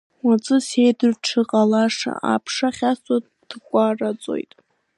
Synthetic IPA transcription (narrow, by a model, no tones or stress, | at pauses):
wat͡sʼɨsejdɨrʈ͡ʂʰɨqʼalaʂa̰ʔa̰pʰʂaχʲaswat | dʰkʷʼarat͡sʼo̞̰jtʼ